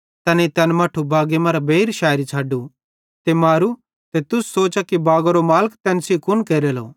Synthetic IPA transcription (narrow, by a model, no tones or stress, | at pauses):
t̪ɐneit̪ɛːnmaːʈʰubaːɡemɐɾabeːɾʃaːɾit͡ʃʰaːɖu | t̪emaːɾu | t̪et̪ʊsːoːt͡ʃakibaːɡoɾomaːləkt̪ɛ̃ːnsikʊnkeːɾelo̰ː